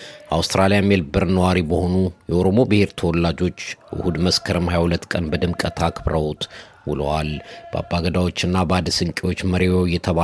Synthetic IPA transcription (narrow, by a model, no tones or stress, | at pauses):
ʔawst̪ɾalijamːjɛlbɨɾnəwaɾibəho̞nujɛʔo̞ɾo̞mo̞bɨhe̞ɾt̪ʰəwɔlːad͡ʒo̞t͡ʃːʔɨ̰hud̪məskʰəɾɨmhajahulət̪ːkʼənbəd̪ɨmkʼət̪ʰakʰɨbɾəwt̪ʼ | wɨləwalb̥əa̰bːaɡəd̪awot͡ʃːɪnːabəad̪sɨŋkʼewo̞t͡ʃːməɾiwowjɛt̪ʰəβa